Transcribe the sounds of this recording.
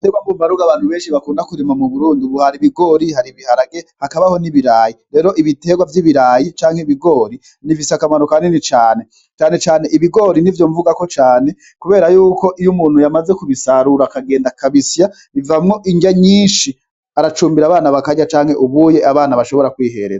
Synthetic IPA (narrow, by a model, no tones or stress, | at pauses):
teɡwambuːmbaɾuɡaβaːn̥huβe̞ːnʃiβakuːndakuɾimamuβuɾuːndiuβuhaɾiβiɡo̞ɾihaɾiβihaɾaɡe̞hakaβaho̞niβiɾaːjiɾe̞ːɾo̞ʔiβite̞ːɡwavjiːβiɾaːjit͡ʃaːŋ̥he̞iβiɡo̞ːɾi | nivisakamano̞kaːndinit͡ʃaːne̞ | t͡ʃaːne̞t͡ʃaːne̞ʔiβiɡo̞ːɾinivjo̞ɱvuɡako̞t͡ʃaːne̞ | kuβe̞ːɾajuːko̞ʔijumuːn̥hujamaze̞kuβisaɾuɾakaɡe̞ːndakaβisja | ivamŋo̞ʔiɲɟaɲiːnʃi | aɾat͡ʃuːmbiɾaːβaːnaβakaɟat͡ʃaːŋ̥he̞ʔuβuːje̞ʔaβaːnaβaʃo̞βo̞ɾakwiːhe̞̰ɾeza